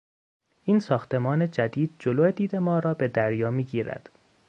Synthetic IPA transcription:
ʔiːnsɒːxt̪ʰe̞mɒːne̞d͡ʒæd̪iːd̪̥̚d͡ʒoloe̞d̪iːd̪e̞mɒːɾɒːbe̞d̪æɾjɒːmiːɡiːɾæ̰d̪̥

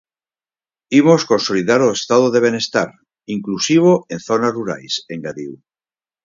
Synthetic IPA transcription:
imosko̞nsoliðaɾoest̪aðoðe̞β̞ene̞st̪aɾ | iŋklusiβ̞oe̞nθonazruɾa̰jse̞ŋɡaðiu

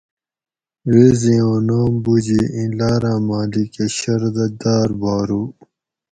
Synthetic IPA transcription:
weːziõːnaːmbud͡ʑiĩlaːɾãːmaːlikeɕɐɾd̪ɐd̪aːɾbaːɾu

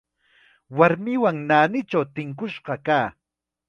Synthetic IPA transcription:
waɾmɪwaŋnaːnɪt͡ʃawt̪ɪŋkʊʃɢɑkaː

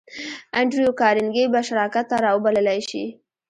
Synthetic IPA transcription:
aɳɖɾijokɑɾɪŋɡejbaʃaɾɑkat̪ːaɾɑwəbaləlajʃi

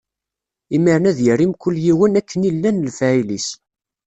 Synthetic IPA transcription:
imiɾnæðjərimkʷəlːjiwənækːənilːænəlfæilis

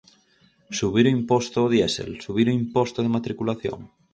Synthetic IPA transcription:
suβiɾoimpost̪oːðjɛsḛlsuβ̞iɾoimpɔst̪oð̞emat̪ɾikulaθjo̰ŋ

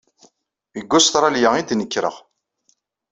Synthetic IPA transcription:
əɡːʊst̪ɾˤaljaid̪nəkːɾə̰ʁ

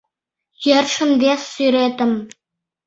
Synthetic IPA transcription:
jerʂɘ̆md̪esyɾed̪ɘ̆m

